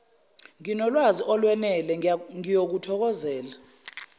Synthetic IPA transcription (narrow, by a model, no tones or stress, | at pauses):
ŋinɔlwaziʔɔlwɛnɛlɛŋijok̬utʰɔk̬ɔzɛːla